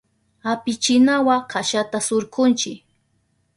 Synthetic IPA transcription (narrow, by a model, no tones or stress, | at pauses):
apɪt͡ʃɪnawaqaʃat̪asoɾqʊnt͡ʃɪk